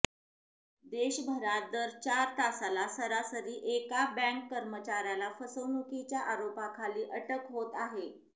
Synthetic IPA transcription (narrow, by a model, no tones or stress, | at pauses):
d̪eɕbʱəɾat̪̚d̪əɾt͡ɕaɾt̪asalasəɾasəɾiːʔekabɛ̃ŋkːəɾmət͡ɕaɾjalafəsəʋnukit͡ɕjaʔaɾopakʰaliːʔəʈəkɦot̪aɦe